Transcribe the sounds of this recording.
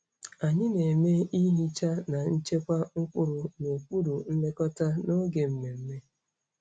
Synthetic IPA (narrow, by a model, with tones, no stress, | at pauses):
a˨ɲɪ˦ne˨me˦i˦ɦi˦t͡ʃa˦na˨n̩˦t͡ʃe˦kʷa˦ŋ̩˦kʷʊ˦ɾʊ˨no˨kʷu˦ɾu˨n̩˦le˦kɔ˦ta˦no˦ɡe˨m̩˨me˨m̩˦me˦